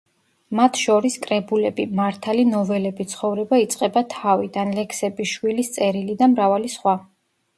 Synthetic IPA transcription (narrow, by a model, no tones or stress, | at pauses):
mat̪ʰʃɔɾiskʼɾɛbulɛbimaɾt̪ʰalinɔvɛlɛbit̪sʰχɔvɾɛbait̪sʼqʼɛbat̪ʰavid̪anlɛkʰsɛbiʃwilist̪sʼɛɾilid̪amɾavalisχwa